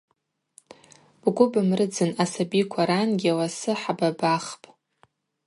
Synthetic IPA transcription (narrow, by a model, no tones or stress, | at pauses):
b̥ɡʷʊbɨmrɨd͡zɨnasabikʷʰaɾanɡʲiawasɨħababaχpʼ